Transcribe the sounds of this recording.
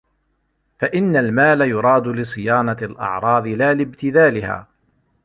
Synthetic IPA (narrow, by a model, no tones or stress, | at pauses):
faʔɪnːalmaːlajʊɾˤɑːd̪ʊlɪsˤɨjaːnɑlʔɑ̰ʕɾˤɑːðˤɨlaːlɪbt̪ɪðaːlɪha̰ː